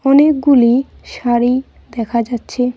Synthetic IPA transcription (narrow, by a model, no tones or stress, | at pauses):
ɔnek̚ɡuli | ʃaɾi | d̪ɛkʰad͡ʑatːɕʰe